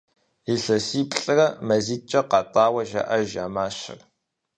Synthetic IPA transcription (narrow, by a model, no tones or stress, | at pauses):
iɬɐsiːpʼɬʼɨrɐmɐziːt͡ʃʼɐqɑtʼɑːwɐʒɐ̰ʔɐʒa̰ːmaːɕɐ̰r